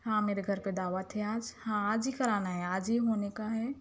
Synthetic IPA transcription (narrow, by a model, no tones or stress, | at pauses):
hãːmeːɾeɡʱəɾped̪aːʋat̪ʰɛaːd͡ʒhãaːd͡ʒɦikɐɾaːnaɦɛaːd͡ʒɦiɦoːnekaɦɛː